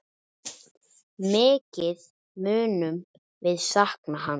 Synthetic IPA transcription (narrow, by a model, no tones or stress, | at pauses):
mɪːcɪð | mʏːnʏm | vɪðsahknaɦan